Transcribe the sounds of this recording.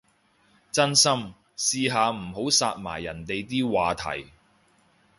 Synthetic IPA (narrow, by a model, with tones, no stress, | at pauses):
t͡sɐ˥nsɐ˥m | siː˧ɦaː˨˧m̩˨˩ɦo˨˥wsaː˧t̚ma̰ː˨˩jːɐ˨˩nt̪e˨jt̪iː˥waː˨t̪ʰɐ̰˨˩j